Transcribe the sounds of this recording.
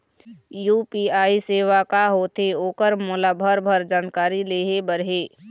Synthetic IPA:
juːpiaːiseːʋakaɦoːt̪eoːkəɾmʊlaːbʱəɾbʱəɾd͡ʒaːnkaːɾileːɦebəɾɦeː

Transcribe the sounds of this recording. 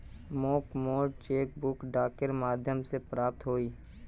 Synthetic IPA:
moːkmoːɖt͡ʃeːk̚bʊkɖaːkəɾmaːd̪ʱjəmsepɾaːp̚t̪ɦoːiː

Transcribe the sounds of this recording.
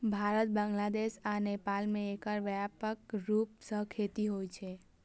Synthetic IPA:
bʱaɾət̪̚bə̃ŋɡlad̪eʃanepalmẽːkəɾʋjapəkɾup̚səɦkʰet̪iɦojt͡ʃʰe

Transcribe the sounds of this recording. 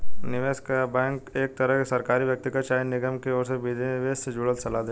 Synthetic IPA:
nɪʋeːskabɛ̃ːŋkeːk̚t̪ɐɾəɦkesɐɾkaːɾiʋjɐk̚t̪ɪɡəʃaːjnɪɡəmkeɔːɾseʋɪd̪eʋeːssed͡ʒʊɽət̪sɐlaːd̪eː

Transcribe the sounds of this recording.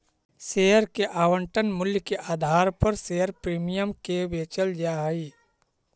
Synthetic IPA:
seɦəɾkeʔaːwəɳʈənmʊljəkeʔaːd̪ʱaːɾpəɾseɦəɾpɾiːmijəmkebeːt͡ʃəld͡ʒaːɦi

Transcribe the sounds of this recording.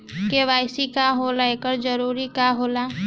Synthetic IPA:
keʋaːɪsikaɦoːlaeːkəɾd͡ʒəɾuːɾikaɦoːla

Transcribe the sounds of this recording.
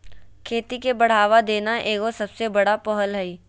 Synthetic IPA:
kʰeːt̪ikebɐɽ̤aːʋad̪eːnaʔeːkosɐbsebɐɽapɔɦəlɦɛiː

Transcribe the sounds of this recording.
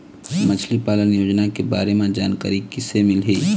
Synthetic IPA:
mət͡ʃʰlipaːlənjoːd͡ʒnakebaːɾemẽd͡ʒaːnka̰ːɾikɪsemɪlɦiː

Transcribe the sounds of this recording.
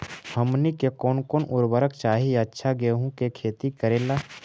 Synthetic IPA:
həmnikekoːnkoːnʔʊɾbəɾəkt͡ʃaːɦijatːʃʰaɡeɦũkekʰeːt̪ikəɾẽːlaː

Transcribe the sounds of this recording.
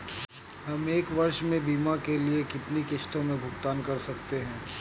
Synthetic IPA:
ɦɐmeːkʋɐɾʃmẽbiːmakeliekɪt̪nikɪʃt̪õmẽbʱʊɡt̪aːnkɐɾsɐkt̪eɦɛ̃ː

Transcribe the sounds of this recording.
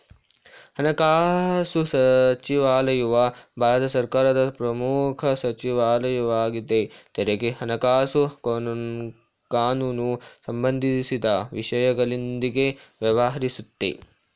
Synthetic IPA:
hɐnɐkaːsusɐt͡ʃiʋaːlɐjuʋɐbʱaːɾɐt̪ɐsɐɾkaːɾɐd̪ɐpɾɐmuːkʰɐsɐt͡ʃiʋaːlɐjɐʋaːɡid̪et̪eɾeɡeɦɐnɐkaːsukonun | kaːnuːnusɐmbɐnd̪ʱisid̪ɐʋiʂɐjɐɡɐɭind̪iɡeʋjɐʋɐɦɐɾisut̪ːḛ

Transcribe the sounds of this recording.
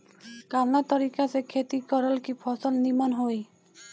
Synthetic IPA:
kanat̪ɔɾikasekʰet̪ikɔɾɔlkipʰɔsɔlnimanɦoj

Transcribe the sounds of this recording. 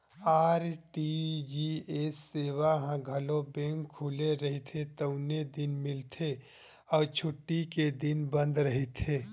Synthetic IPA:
aːɾʈid͡ʒiesːeːwaɦãɡʱɐlobẽːŋkʰːuːleɾɐɦet̪ʰet̪əʊned̪ɪnmɪlt̪ʰe | ɔːɾt͡ʃʰʊʈːiked̪ɪnbə̃nd̪ɾəɦet̪ʰeː

